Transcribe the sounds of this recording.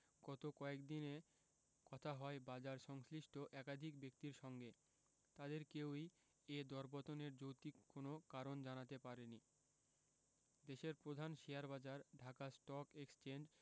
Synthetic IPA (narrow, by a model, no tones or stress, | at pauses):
ɡɔt̪okɔekd̪ine | kɔt̪ʰaɦɔebad͡ʑaɾʃɔŋsliʃʈʰoʔɛkad̪ʱikbek̚t̪iɾʃɔŋɡe | t̪ad̪eɾkewi | ed̪ɔɾbot̪oneɾd͡ʑowt̪ikːonokaɾond͡ʑanat̪epaɾeni | d̪eʃeɾpɾod̪ʱanʃijaɾbad͡ʑaɾɖʱakasʈɔkekst͡ɕend͡ʑ